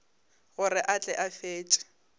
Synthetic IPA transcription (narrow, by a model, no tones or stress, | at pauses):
ɣʊrɪʔat͡ɬʼɛʔafeːt͡ʃʼɪ̥